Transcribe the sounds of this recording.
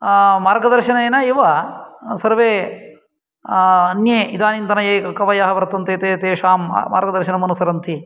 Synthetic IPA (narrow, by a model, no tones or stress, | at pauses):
maːɾɡɐd̪ɐɾʃɐnɐeːnɐiʋɐsɐɾʋeː | ɐnjeːid̪aːnint̪ɐnɐjeːkkɐʋɐjaːɦɐʋɐɾt̪ːɐnt̪eːt̪eːt̪eːʃaːmma̰ːɾɡɐd̪ɐɾʃinɐmɐnusɐɾɐnt̪ʰi